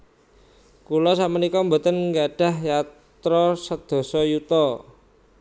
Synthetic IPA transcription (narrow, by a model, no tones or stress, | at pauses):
kulɔs̬aʔmənikɔmbot̪ənŋɡaɖ̥a̤hja | t̪ɾɔsəd̪̥o̤sɔjut̪ɔ